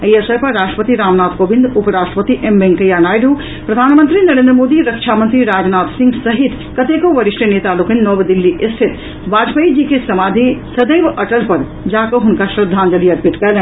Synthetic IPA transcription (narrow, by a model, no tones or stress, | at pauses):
əjəsəjpɐɾːaːsʈɾə̥pət̪iɾaːmnaːt̪koːbind̪upəɾaːsʈɾəpət̪iʔembeŋkəjanaːjɖuː | pɾɐd̪ʱaːnmənt̪ɾinɐɾeːnd̪ɾəmoːd̪iɾəkʃʰamənt̪ɾiɾaːd͡ʒnaːt̪sĩŋɡsɐɦit̪ | kɐt̪ekoʋɐɾiʃʈənet̪alokinnɔʋd̪ilːiʔɪst̪ʰɪt̪ | ʋaːd͡ʒpəjd͡ʒikesɐmaːd̪ʱisɐd̪eːʋɐʈəlpɐɾ | d͡ʒaːkoɦʊnkaʃɾɐd̪ʱːaːnd͡ʒɐlijɐɾpiʈkɛlẽ